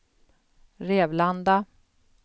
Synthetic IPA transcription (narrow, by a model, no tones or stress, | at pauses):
ɾeːvland̪a